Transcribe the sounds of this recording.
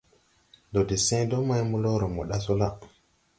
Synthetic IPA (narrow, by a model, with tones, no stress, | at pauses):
do˨di˨sẽ˦do˦ma˦jmu˦lo˦ɾo˨mo˨ɗa˦so˦la˦